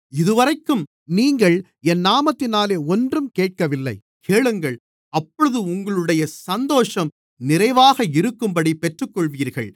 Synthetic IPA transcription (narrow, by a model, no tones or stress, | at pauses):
ɪðɯʋɐɾɐɪkːɯm | niːŋɡɐɭ | ɛnːaːmɐt̪ːɪnaːleːɔndrɯmkeːʈ̚kɐʋɪlːɐ̰ɪ | kʰeːɭɯŋɡɐɭ | ɐpːɔɻɯðɯʊŋɡɐɭɯɽɐjɐsɐnd̪oːʂɐm | nɪɾɐɪʋaːɣɐɪɾɯkːɯmbɐɽipɛʈrɯkːɔɭʋiːɾɣɐ̰ɭ